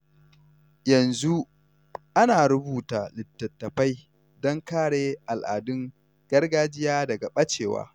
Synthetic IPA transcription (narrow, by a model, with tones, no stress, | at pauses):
jɐ˨nzu˦ | ʔa˦naː˨ɾʊ˦buː˨ta˨lɪ˨tːɐ˨tːɐ˨ɸa˦j | dɔ˦ŋkaː˦ɽeː˨ʔa˨lʔa̰ː˨dʊ˦ŋ | ɡ̥ɐ˦rɡaː˦d͡ʒɪ˦jaː˦dɐ˨ɡa˨ɓɐ˦t͡ʃeː˨wa̰ː˦